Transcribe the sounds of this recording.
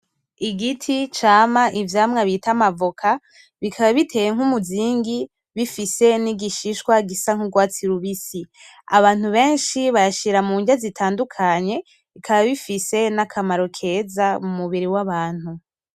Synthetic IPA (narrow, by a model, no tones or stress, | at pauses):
iɡitʰit͡ʃaːmaʔivjaːmŋaβitamavokʰa | βikʰaβaβitʰe̞jeŋ̥humuziːŋɡi | βifise̞niɡiʃiʃkwaɡisaŋ̥uɡwaːt͡siɾuβisi | aβaːn̥huβe̞ːnʃiβajaʃiɾamuːɲɟazitʰaːndukʰaɲe̞ | ikʰaβaβifise̞nakʰamaɾo̞kʰe̞zamumuβiɾiwaβaːn̥hu